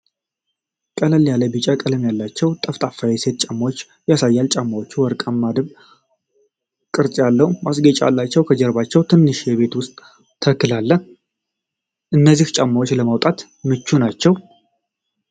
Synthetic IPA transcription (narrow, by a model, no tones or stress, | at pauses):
kʼəlaljaləbɨt͡ʃʼakʼələmjalːat͡ʃːɛwt̪ʼəft̪ʼafːawese̞t̪̚t͡ʃʼamːawot͡ʃː | jasajːalt͡ʃʼamːawot͡ʃːuwɔɾkʼamːad̪ɨβ | kʼɨɾt͡sʼjalːəhumasɡət͡ʃʼa̰lːat͡ʃːɛwkʰəd͡ʒəɾbat͡ʃːɛwt̪ʰɨnːɨʃjɛβe̞t̪wʊst̪ʼ | t̪ʰəkːɨlalːə | ʔɨnːəzːiht͡ʃʼamːawot͡ʃːləmawt̪ʼat̪ | mɨt͡ʃːunat͡ʃːɛw